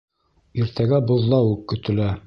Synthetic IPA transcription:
iɾt̪æɡæbŏðːɑwʉkːɵ̆t̪ɘ̆læ

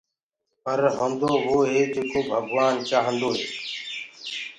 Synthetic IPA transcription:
pəɾɦõːnd̪oːʋoːɦeːd͡ʒeːkoːbʱəɡʱʋaːnt͡ʃaːɦə̃nd̪oːɦeː

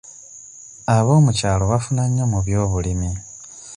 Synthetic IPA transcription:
aβo̞ːmucaːlo̞wafunaɲamuβjo̞ːβulimi

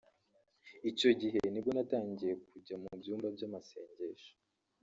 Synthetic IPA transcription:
ico̞ɟiɦe̞nibɡonataːɲɟije̞kuɟamubjuːmbabjamase̞̰ːɲɟe̞ʃo̥

